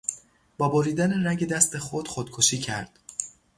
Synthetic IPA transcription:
b̥ɒːboɾiːd̪æneɾæŋɟe̞d̪æst̪ʰe̞xod̪̥χod̪kʰoʃiːcʰæ̰ɾd̪̥

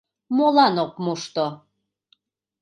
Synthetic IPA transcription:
molɑnok̚muʃt̪o

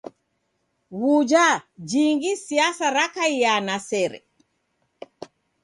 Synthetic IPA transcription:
wud͡ʒad͡ʒiŋɡisiasaɾakaijanasɛɾɛ̰

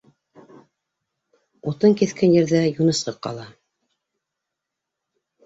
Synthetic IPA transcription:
ut̪ɤŋkiθkænjɘ̆ɾðæjunɤ̆sqɤqqɑ̰lˠɑ

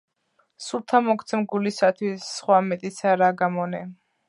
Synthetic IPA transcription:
sulˠt̪ʰamɔkʰt̪sʰɛmɡulisat̪ʰwisːχwamɛt̪ʼisaɾaɡamɔnɛ

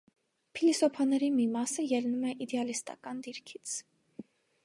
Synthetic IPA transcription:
pʰilisɔpʰɑnɛɾimimɑsəjɛlnumɛʔid̪ɛɑlist̪ɑ̰kɑnd̪iɾkʰit͡sʰ

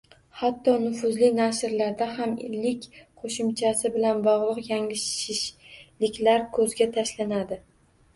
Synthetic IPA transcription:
hat̪ːɒnʊfʊzlɪnaʃɪɾlaɾd̪aɦamɪ̰lːɪkʲqʰoʃɪmt͡ʃʰasɪbɪlanbɒʁlˠɨqjaŋlɪʃɪʃlɪkʲlaɾkʰɵzɡʲat̪ʰaʃlanad̪ɪ

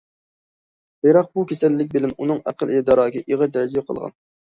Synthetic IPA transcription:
b̥eɾɑq̚bukʲʰesɛlːɪk̬̚ʲbɪlɛnunɨŋæ̰qəled̪ɑːɾɑːɡʲɛʔiʁəɾd̪ɛɾɪd͡ʒibɛqʰə̰lˠʁɑ̰n

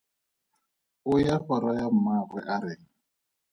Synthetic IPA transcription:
ʊjaɸaɾajam̩maɣwɛ̰ʔaɾɪ

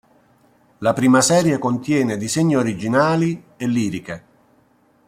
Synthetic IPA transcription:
lapɾiːmasɛːɾjekont̪jɛːned̪izeɲːioɾid͡ʒinaːli | elːiːɾike

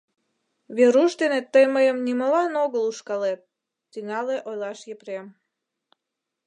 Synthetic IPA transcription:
βeɾuʃd̪enet̪ːəjməjəmnimolɑnoɣəluʃkɑlet̪̚ː | yŋɑleʔojlɑʃjepɾem

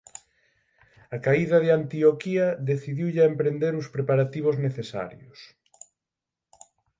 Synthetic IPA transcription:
akaiðɐðeant̪iokiɐðeθiðiwʎaempɾend̪eɾʊspɾepaɾat̪iβ̞ʊzneθesa̰ɾjʊs

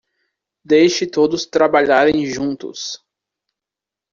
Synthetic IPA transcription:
d̪ejʃɪt̪od̪ʊst̪ɾabaʎaɾẽj̃ʒũnt̪ʊ̰s

